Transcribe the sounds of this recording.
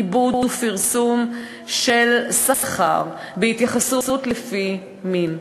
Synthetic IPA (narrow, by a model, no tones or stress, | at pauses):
ibudfiʁsum | ʃelsasχa̰ʁ | beit̪jaχasusutlefi | min